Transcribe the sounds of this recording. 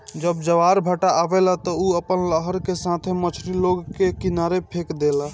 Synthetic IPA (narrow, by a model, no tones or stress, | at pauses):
d͡ʒəbd͡ʒəʋaɾbʱəʈaʔːbelat̪ɔuəpənləɦəɾkesat̪ʰemət͡ʃʰɾiloɡkekinaɾepʰekd̪ela